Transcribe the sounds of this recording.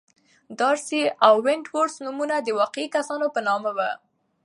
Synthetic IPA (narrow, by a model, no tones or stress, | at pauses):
d̪ɑɾsiawːɪɳʈwoɾsnumunad̪əwɑqeikasɑnopənɑmawə